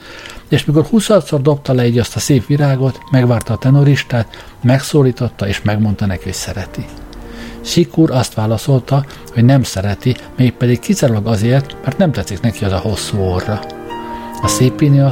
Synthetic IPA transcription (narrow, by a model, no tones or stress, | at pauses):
eːʃmiko̞rhusɒt̪so̞rd̪o̞p̚t̪ɒlɛiːɟɒst̪ɒseːpʋiɾaːɡo̞t̪mɛɡʋaːrt̪ɒːt̪ɛnoɾiʃt̪aːt̪ | mɛksoːliːt̪o̞t̪ːɒeːʃmɛɡmo̞nt̪ɒnɛkio̰csɛɾɛt̪i | ʃikuːɾɒst̪ʋaːlɒso̞lt̪ɒ | ho̞ɟnɛmsɛɾɛt̪imeːk̚pɛd̪ikkisaɾulɒɡɒzeːrt̪mɛrt̪nɛmt̪ɛt̪siknɛkiɒzɒho̞sːuːorːɒ | ɒseːpːine